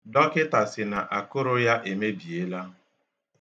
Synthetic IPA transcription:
dɔ˦kɪ˦ta˨sɪ˨na˨ʔa˨kʊ˦ɾʊ˦ja˦ʔe˨me˦bi˨e˦la˦

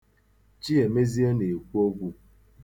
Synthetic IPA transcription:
t͡ʃi˦e˨me˦zi˦o˦ne˨kʷu˦o˦ɡʷu˦

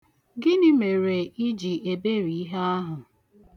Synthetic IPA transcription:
ɡɪ˦nɪ˦me˨ɾe˨ɪ˦d͡ʒi˨e˨be˦ɾi˨i˦ɦe˦a˦ɦʊ˨

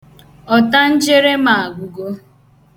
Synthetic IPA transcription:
ɔ˨ta˦n̩˦d͡ʒe˦ɾe˦ma˨a˨ɡʷʊ˨ɡo˦

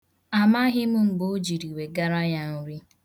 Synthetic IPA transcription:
a˨ma˦ɦɪ˦m̩˦m̩˦bo˦d͡ʒi˨ɾi˨we˨ɡa˦ɾa˦ja˦n̩˦ɾi˦

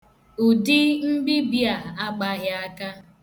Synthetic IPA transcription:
u˨dɪ˦m̩˦bi˦bja˨a˦k͡pa˦ɣja˦ka˦

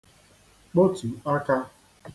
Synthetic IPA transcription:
k͡po˦tu˨a˦ka˦

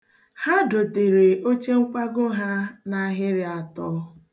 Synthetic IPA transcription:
ha˦do˨te˨ɾe˨o˦t͡ʃe˦ŋ̩˦kʷa˦ɡʊ˦ɦa˦na˨˦ɦɪ˦ɾɪ˦a˨tɔ˦

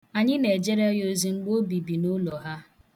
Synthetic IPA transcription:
a˨ɲɪ˦ne˨d͡ʒe˦ɾa˦jo˦zi˦ŋ͡m̩˦ɡ͡bo˦bi˨bi˨no˦lɔ˨ɦa˦

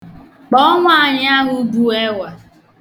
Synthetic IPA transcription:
k͡pɔ˦ŋʷ˦a˨ɲ˦a˦ɦʊ˦bu˦e˦wʷa˨

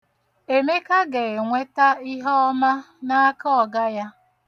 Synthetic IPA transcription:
e˨me˦ka˦ɡe˨ŋʷe˦ta˦i˦ɦɔ˦ɔ˦ma˦ | na˦kɔ˦ɔ˨ɡa˦ja˦

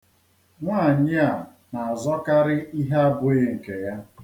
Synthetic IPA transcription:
ŋʷaː˦˨ɲɪ˦a˨ | na˨a˨zɔ˦ka˦ɾɪ˦i˦ɦe˦a˦bʊ˦jɪ˦ŋ̩˨ke˨ja˦

